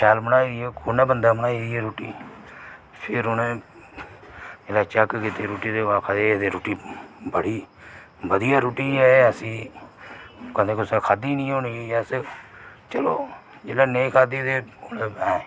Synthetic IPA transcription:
t͡ʃʰaːlmənaːiɛkonẽːbənd̪aːmənaːiiɛɾoːʈiː | pʰɪɾʊnẽː | d͡ʒeːlaːt͡ʃəkkit̪eːɾoːʈiːd̪eːaːkʰad̪ed̪eːɾoːʈiːbəɽiː | ʋəd̪ijaːɾoːʈiːɛːəsĩː | kə̃nd̪eːkʊsẽːkʰaːd̪iːnĩːoːnieas | t͡ʃəloː | d͡ʒeːlaːneːkʰaːd̪iːd̪eːoneːɛ̃ː

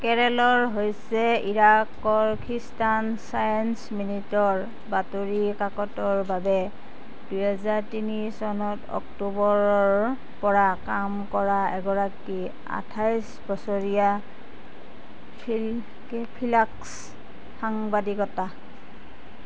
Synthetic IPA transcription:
kɛɹɛlɔɹɦojsɛiɹakːɔɹkʰistansajɔnsminitɔɹ | batoɹikakɔtɔɹbabɛ | d̥ujɦazaɹtinisɔnɔtɔ̰ktubɔɹɔɹ | pɔɹakamkɔɹaɛɡɔɹaki | a̰tʰajs | bɔsoɹija | pʰ | pʰilaks | xaŋbadikɔta

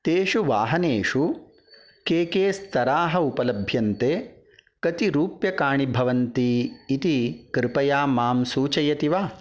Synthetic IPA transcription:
t̪eːʂuʋaːɦɐneːʂu | keːkeːst̪ʰɐɾaːɦɐupɐlɐbʱjɐnt̪eː | kɐt̪iɾuːpjɐkaːɳibʱɐʋɐnt̪iːt̪ikɾɪpɐjaːmaːmsuːt͡ʃɐjɐt̪iʋaː

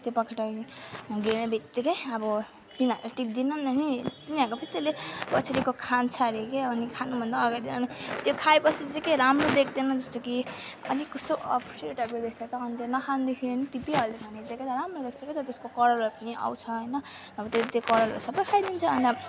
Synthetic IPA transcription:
t̪jopʌkʰaʈaiɡenebʱit̪ːikʌjʌbʌ | t̪inaaʈip̚d̪inʌnʌnit̪iniɦʌɾkopʰit̪elebʌt͡sʰɾikokʰant͡sʰʌɾekeʌnikʰanubʱʌnd̪aːɡaɾid̪nʌnit̪jokʰaepʌt͡sʰit͡sekeɾamrod̪ekʰd̪enʌd͡zʌst̪oki | ʌ̰d̪ikʌsoʔʌ̰pʰʈeʈʌpkod̪ekʰt͡sʰat̪ʌːnit̪enʌkʰand̪ekʰineniʈipiɦʌlekʰanet͡saket̪aɾamrod̪ekt͡sʰʌket̪ʌt̪eskokʌɾʌloɾpʌniʔa̰wt͡sʰʌɦʌjnʌː | bʌt̪elet̪jokʌɾʌlo̰ɾsʌbʌkʰajd̪int͡sʰʌʌna

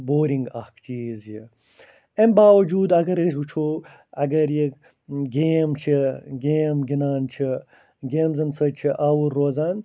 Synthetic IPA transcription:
boːɾiŋɡɐhkt͡ʃiːzji | embaːwɐd͡ʒuːd̪ɐɡɐɾɐswut͡ʃʰo | ɐ̰ɡɐɾjek | ɡeːmt͡ʃʰiɡeːmɡinaːnt͡ʃʰi | ɡeːmzɐnsɐt͡ʃʰiʔaːwuɾːoːzaːn

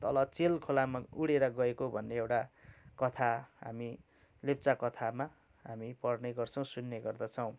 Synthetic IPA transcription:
t̪ʌlʌt͡selkʰolamauɽeɾʌɡʌekobʱʌnːeewʈakʌt̪ʰaɦa̰mi | lep̚t͡sakʌt̪ʰama | ɦamipʌrneɡʌrt͡sʰʌ̃w̃sunːeɡʌrd̪ʌt͡sʰʌw̃

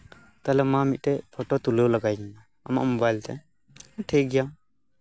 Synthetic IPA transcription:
t̪alɛmãmit̪̚tɛpʰɔʈɔt̪ulelaɡajɡɛna | a̰ma̰ʔmɔbajlt̪ɛ̰ | ʈʰeɡɛja

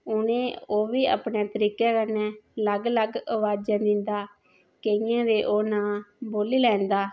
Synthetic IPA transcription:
ʊnẽːoːʋiːə̰ːpneːt̪əɾiːkɛːkənɛːləɡləɡəʋaːd͡ʒãːd̪ɪnd̪aː | keɪjãːʋiːʔoːnaːboːliːlɛ̃ːnd̪aː

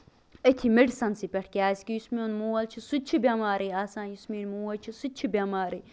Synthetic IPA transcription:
ɐt̪ʲʰimeɖsɐnsipʲɐʈʰkʲaːsʲkijusmenmuːɐlt͡ʃʰisut͡ʃʰibʲamaːɾeːaːsãːnjusmiːnmuːɐlt͡ʃʰisut͡ʃʰibʲamaːɾiː

